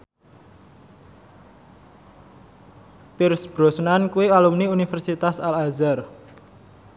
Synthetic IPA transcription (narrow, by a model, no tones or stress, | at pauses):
pirsb̥ɾɔsnankuialumniunifɛrsit̪asalazar